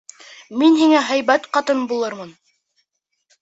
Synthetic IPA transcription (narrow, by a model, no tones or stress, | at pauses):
minhiŋæɦæjbæt̪qɑt̪ɤnbulˠɤɾmɤn